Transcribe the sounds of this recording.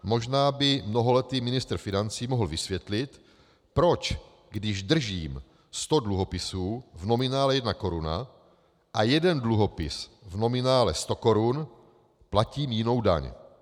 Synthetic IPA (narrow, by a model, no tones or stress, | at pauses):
mo̞ʒnaːbɪmno̞ɦo̞lɛt̪imɪnɪst̪ɾ̩fɪnant͡siːmoɦl̩vɪsvjɛt̪lɪt̪ | pɾo̞t͡ʃ | ɡdɪʒd̪r̩ʒiːm | st̪o̞dluɦo̞pɪsuːvno̞mɪnaːlɛjɛdnako̞ɾuna̰ | ʔajɛdɛndluɦo̞pɪ̰svno̞mɪnaːlɛ̰st̪o̞ko̞ɾun | placiːmjɪno̞wda̰ɲ